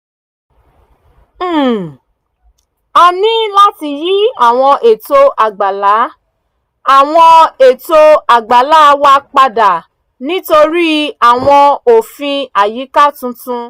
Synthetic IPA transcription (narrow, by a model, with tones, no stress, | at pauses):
a˧nĩ˦la˦ti˧ji˦a˦˨w̃ɔ̃˧ʔe˨to˦ʔa˨ɡ͡ba˨la˨˦ | a˨w̃ɔ̃˧e˨to˧˦a˨ɡ͡ba˨la˦˧wa˦k͡pa˧da˨ | nĩ˦to˧ɾi˦a˨w̃ɔ̃˧o˨fĩ˧a˨ji˨˦ka˦˨tũ˧tũ˧